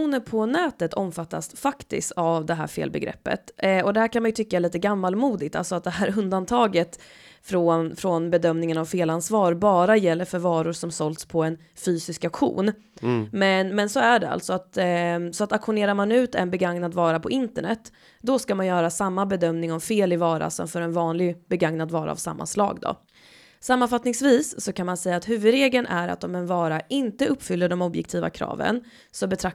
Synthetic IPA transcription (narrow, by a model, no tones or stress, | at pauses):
uːnəɾpʰɔnɛːt̪ət̪ʰɔmfat̪ːa̰sfakt̪ɪ̰skt̪avd̪ɛɦæ̰ːɾfḛːlbɛ̰ɡɾɛ̰pːə̰t̪ɔd̪ɛhæːɾkʰanmanjɵt̪ʰʏkːaɛɭiːt̪əɡamːalmuːd̪ɪɡ̚t̪a̰lsɔat̪̚d̪ɛɦæːɾɵnd̪ant̪ʰɑːɡət̪ | fɾɔnfɾɔnbɛd̪œmnɪŋənavfeːlansvɑːɾbɑːɾajɛlːəɾfœɾvɑːɾʊɾʂɔmsɔlt̪spʰɔɛn | fyːsɪskakɧṵːn | mɛnmɛnsɔæɖɛa̰lt̪sɔat̪sɔat̪akɧʊneːɾaɾmanʉ̟ːt̪ɛ̰nbɛɡaŋnad̪vɑːɾapʰɔʔɪnt̪əɳɛt̪ː | d̪ɔskamanjœːɾasamːabɛd̪œmnɪŋɔmfeːlɪvɑːɾa̰sɔ̰mfœɾɛnvɑːnlɪɡbɛɡaŋnad̪vɑːɾa̰a̰vsa̰mːa̰nslɑ̰ːɡd̪ɔ̰ | samːanfat̪nɪŋsviːsːɔkʰanmansɛjːaːt̪ɦʉ̟ːvɵd̪ɾeːɡlənʔæɾa̰t̪ɔmɛnvɑːɾaʔɪnt̪əɵpːfʏlːəɖɔmɔbjɛ̰kt̪ʰiːva̰kʰɾɑ̰ːvə̰n | sɔbɛt̪ʰɾa